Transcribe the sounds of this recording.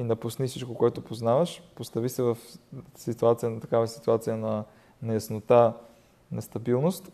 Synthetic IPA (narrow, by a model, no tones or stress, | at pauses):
inɐpusnifsit͡ʃkokoɛt̪opoznavəʃpost̪avisɛvɐfsit̪uat̪sijənt̪ɐkavɐsi̥t̪uat̪sijənɐ | nɐjɐsnot̪a | nɐst̪ɐbilˠnost̪